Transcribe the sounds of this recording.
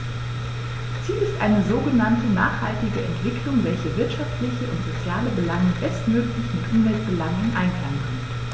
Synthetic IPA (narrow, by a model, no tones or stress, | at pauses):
t͡siːlɪstʔa̰ɪnəzoːɡənantəna̰ːχhaltɪɡəʔɛntv̥ɪklʊŋvɛlçəvɪɐtʃaftlɪçəʔʊntz̥ot͡sjaːləbəlaŋəbɛstmøːklɪçmɪtʔʊmvɛlt̚b̥əlaŋʊŋʔaɪnflaːənkʰœn